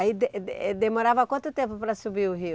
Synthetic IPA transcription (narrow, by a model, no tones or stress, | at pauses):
id̪ɛd̪emoɾavɐkwɐ̃nt̪ʊt̪ẽmpʊpɾɐsubiɾʊɦi